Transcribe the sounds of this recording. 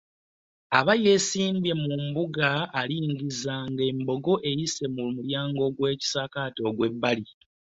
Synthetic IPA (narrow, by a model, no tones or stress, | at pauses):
aβaje̞siːmbe̞mumbuɡaːliːŋɡizaŋɡe̞ːmbo̞ɡo̞ʔe̞jise̞muumuljaːŋɡo̞ɡwe̞ːci̥sakaːto̞ɡwe̞bːali